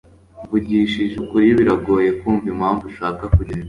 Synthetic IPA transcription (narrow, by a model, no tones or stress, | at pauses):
vuɟiʃiʒukuɾiβiɾaɡo̞ːje̞kuːɱvimhaɱvuʃaːkakuɾi